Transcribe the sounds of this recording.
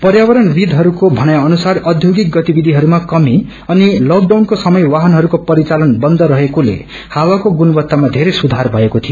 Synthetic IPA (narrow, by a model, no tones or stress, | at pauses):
pʌrjawʌɾʌnbid̪ʱɦʌɾukobʱʌñajaʌnusarʌd̪ʱjoɡik̚ɡʌt̪ibid̪ʱiɦʌɾumakʌmi | ʌnilʌk̚ɖawnkosʌmʌjwaɦʌnɦʌɾukopʌɾit͡salʌnbʌnd̪ʌɾʌɦekulḛ | hawakoɡunʌbʌt̪ːamad̪ʱeɾesud̪ʱarbʱʌekot̪ʰijo